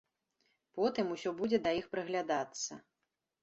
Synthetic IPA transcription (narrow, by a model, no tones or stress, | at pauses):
pɔt̪ɨmusʲɔbud͡zʲɛd̪ɐjixpɾɨɣlʲad̪at̪sːɐ̰